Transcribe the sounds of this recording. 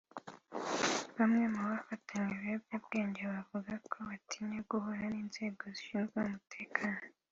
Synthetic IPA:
βamŋe̞muβafatʰaɲeβebjabɡe̞ːɲɟeβavuɡakʰo̞βatʰiɲeɡuhoɾaniːnze̞ːɡoziʃiːnzɡeumutʰe̞ːkʰaːno

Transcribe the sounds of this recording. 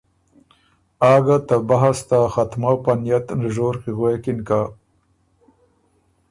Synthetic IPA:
ɑːɡat̪abaɦast̪axat̪mawpanjat̪nʒoːɾqiɣwekɪnka

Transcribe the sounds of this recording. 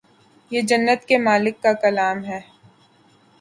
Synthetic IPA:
jed͡ʒɐnːət̪kemaːlɪkːakɐlaːmɦɛː

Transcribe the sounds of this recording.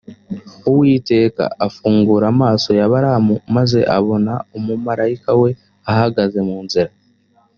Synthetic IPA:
uwiːte̞ːka̰afuːŋɡuːɾamaːso̞jaβaɾamumaze̞̰ʔaβo̞naomumaɾajikawe̞ | ahaɡaze̞muːnziɾa

